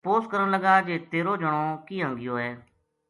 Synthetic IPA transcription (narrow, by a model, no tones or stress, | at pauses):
poːskəɾənləɡaːd͡ʒeːt̪eːɾoːd͡ʒəɽ̃oːkiːɦãːŋɡɪjoːɦɛː